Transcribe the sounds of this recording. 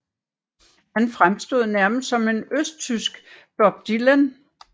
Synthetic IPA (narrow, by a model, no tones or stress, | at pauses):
hænfʁamsd̥o̝ð̰ˠnæɐməsd̥sɒ̽me̝nøsd̥̚t͡sʰysɡ̥b̥ɒb̥̚d̥ilən